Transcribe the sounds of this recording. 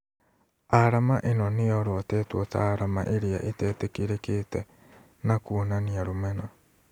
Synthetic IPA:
aɾamaʔenɔneɔɾɔtɛːtwɔta̰ɾama̰ʔeɾeaʔetɛːtekeɾekeːtɛ | nakunaniaɾomɛna

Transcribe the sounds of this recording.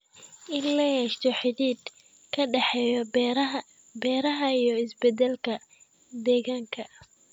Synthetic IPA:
ʔɪnlɐjɛːʃt̪ʰɔħɪdiːd̪ | kʰɐɖɛħɛjɔ | bɛːɾɐɦɐijɔɪsbɛd̪ɛlkʰɐ | d̪ɛːɣaːŋkʰɐ

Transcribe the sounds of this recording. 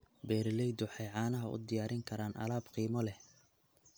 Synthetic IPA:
bɛːɾɪlɛjd̪ʊħɑjʕɑːnɐɦɐʊ̰d̪ɪjaːɾɪŋkʰɐɾaːnʔɐ̰laːbqiːmɔlɛh

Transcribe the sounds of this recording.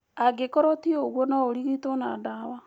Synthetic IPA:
aɡekɔɾɔtioɣwɔnaoɾiɣitona̰dawa

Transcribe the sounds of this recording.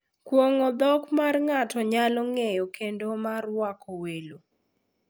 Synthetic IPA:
kwoŋɔd̪ɔkmarŋatɔɲalɔŋejɔkendomarwakʰɔwelo

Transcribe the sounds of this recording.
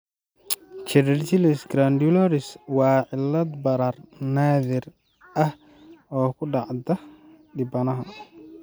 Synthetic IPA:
t͡ʃɛɾɛrt͡ʃɪlɪsɡɾand̪jʊlɔɾɪswɑːʕɪlːɐd̪bɐɾaːrnaːðɪr | ʔɐh | ɔːkʰʊɖɑʕd̪ɐ | ɖɪbɐnɐɦɐ

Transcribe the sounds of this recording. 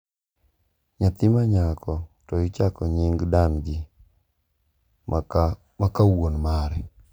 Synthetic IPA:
ɲat̪ɪmaɲakɔtɔjɪt͡ʃakɔɲɪŋɡdanɡi | makawonmaɾɛ

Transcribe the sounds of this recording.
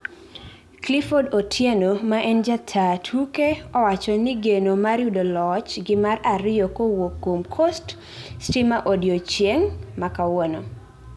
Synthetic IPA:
klifodotʰjenomaʔɛnd͡ʒatʰatʰukeɔwat͡ʃɔnɪɡenomaɾjudolɔt͡ʃɡɪmaɾaɾɪjɔkowokːomkʰɔst | stimaʔodjot͡ʃjeŋmakawɔno

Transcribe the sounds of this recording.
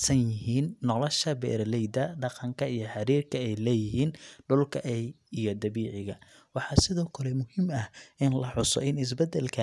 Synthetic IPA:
sɐnjɪɦiːnːɔlɔʃɐbɛ̰ːɾlɛjd̪ɐɖɑqɑŋkʰɐijɞħɑɾiːrkʰɐɛjlɛːjɪɦiːnɖʊlkʰɐʔɛjijɞd̪ɐβiːʕɪɣɐ | wɑħɑːsɪðɔːkʰɐlɛmʊhɪmɐhʔɪnlɐħʊsɔ̰ɪnɪs̬bɛd̪ɛlkʰɐ

